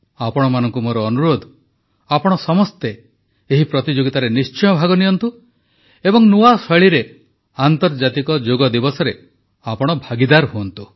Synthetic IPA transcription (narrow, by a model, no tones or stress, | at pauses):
apɔɽ̃ɔmanɔŋkumoɾɔːnuɾod̪ʱ | apɔɽ̃ɔsɔmɔst̪eː | ɦipɾɔt̪id͡ʒoɡit̪aɾenist͡ʃɔjɔbʱaɡɔnijɔnt̪u | ebɔŋnuasɔɭiɾe | ant̪ɔɾd͡ʒat̪ikɔd͡ʒoɡɔd̪ibɔsɔɾe | apɔɽ̃ɔbʱaɡid̪aɾɦuɔnt̪u